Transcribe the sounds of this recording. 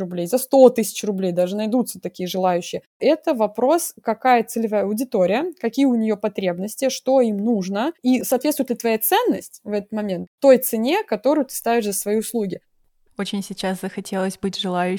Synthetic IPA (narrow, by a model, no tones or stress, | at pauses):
rʊblʲejzɐst̪o̞t̪ɨsʲɪ̥t͡ɕrʊblʲejd̪aʐɨnɐjd̪ut̪sət̪ɐkʲijəʐɨlˠajʉɕːɪjə | ɛt̪əvɐpɾo̞skɐkajət̪sɨlʲɪvajəɐʊdʲɪt̪o̞ɾʲɪjəkɐkʲijəʊnʲɪjo̞pɐt̪ɾʲe̞bnəsʲtʲɪʂt̪oimnuʐnəisɐːt̪vʲet̪t̪ʊjɪt̪lɪt̪vɐjat̪sɛnːəsʲtʲvɛt̪ə̥t̪mɐmʲent̪ːo̞jt̪sɨnʲe̞kɐt̪o̞ɾʊjʊt̪ɨ̥st̪avʲɪʂzəsvɐjijʊslˠuɡʲɪ | ot͡ɕɪnʲsʲɪt͡ɕaszəxɐtʲʰe̞lˠəsʲbɨtʲʐɨlˠajʉ